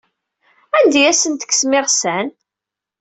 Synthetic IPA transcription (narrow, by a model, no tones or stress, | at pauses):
ænd̪æjæsənt̪ə̥ksmɪʁsæn